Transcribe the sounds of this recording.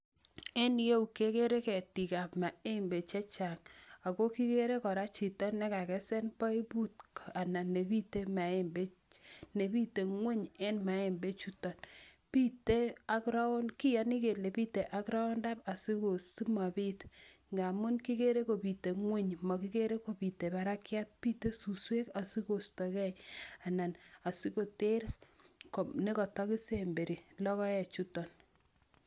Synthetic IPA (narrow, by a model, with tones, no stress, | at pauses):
ɛ˦nje˦u˨ke˦ke˦ɾe˦kɛ˨ti˨ka˨pma˨e˦mbe˨t͡ʃɛ˦t͡ʃa˨ŋa˨ko˦ki˦ke˦ɾe˦kɔ˨ɾa˦t͡ʃi˨tɔ˦nːɛ˦ka˨kɛ˦sɛ˦npɔ˦i˦bu˦tka˨na˨ne˨bi˦te˦ma˨e˦mbe˦ | ne˨bi˦te˨ŋwe˦ɲɛ˦nma˨˦e˦mbe˦t͡ʃu˦tɔ˨n | pi˦te˦a˦kɾa˦o˦nki˦ja˨˦ni˦ke˨le˨pi˦te˨ʔa˦kɾa˦ɔ˦nda˦pa˨si˦ko˨si˦ma˨piː˦tŋɡa˨mu˦nki˦ke˦ɾe˦ko˨pi˨te˨ŋwe˦ɲmɔ˨ki˦ke˦ɾe˦ko˨pi˨te˨ba˦ɾa˦kja˦t̚pi˦te˦su˨swe˦ka˨si˦ko˨stɔ˨kɛ˦ja˨na˨na˨si˦ko˨te˦ɾko˨ne˦kɔ˨tɔ˦ki˦se˨mbe˨ɾi˨lɔ˦kɔ˦ɛ˨t͡ʃu˦tɔ˨n